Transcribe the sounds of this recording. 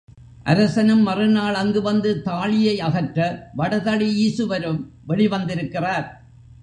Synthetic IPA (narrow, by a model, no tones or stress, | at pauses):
ʔɐ̰ɾɐsɐnɯmːɐrɯnaːɭɐŋɡɯʋɐnd̪ɯt̪aːɭɪjɐɪɐɣɐʈɾɐʋɐɽɐðɐɭiiːsɯʋɐɾɯm | ʋɛɭɪʋɐnd̪ɪɾɯkːɪraːɾ